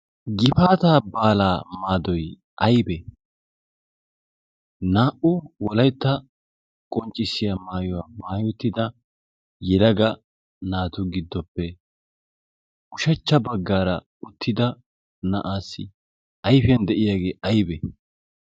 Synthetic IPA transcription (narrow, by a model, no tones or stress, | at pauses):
ɡɪfaːt̪aːbaːlaːmaːd̪ɔj | ʔɐjbɛ | naːʔʊwɔlɐjt̪ːɐ | kʼɔnt͡ʃʼːɪsːɪjamaːjɔwaːmaːjʊʊt̪ːɪd̪ɐ | jɛlɐɡɐ | naːt̪ʊɡɪd̪ːɔpːɛ | ʊʃɐt͡ʃːɐbɐɡːaːɾɐ | ʊt̪ʰːɪd̪ɐ | nɐʔaːsːɪ | ɐjfjɐnd̪ɛʔɪjaːɡeːʔɐjbɛ